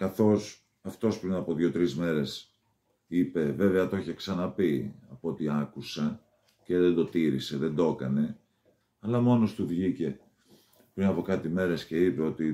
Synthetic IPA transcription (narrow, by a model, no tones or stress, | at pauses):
kɐθo̞s | ɐft̪o̞spɾinɐpo̞ðʝo̞t̪ɾizme̞ɾe̞s | ipe̞ve̞veɐt̪o̞eçeksɐnɐpiɐpoot̪iɐkusɐ | ce̞ðe̞nd̪o̞t̪iɾḭse̞ðend̪o̞kɐ̰ne̞ | ɐlɐmo̞no̞st̪uvʝice̞ | pɾinɐpo̞kɐt̪ime̞ɾe̞sce̞ipe̞o̞t̪i